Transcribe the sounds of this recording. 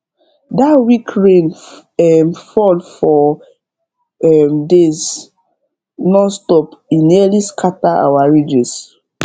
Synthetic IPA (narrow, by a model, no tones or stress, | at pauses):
datwikɹẽn | ɛmfɔldfɔ | ɛmdes | nɔstɔpĩnliskʰataa̰waɹid͡ʒɛs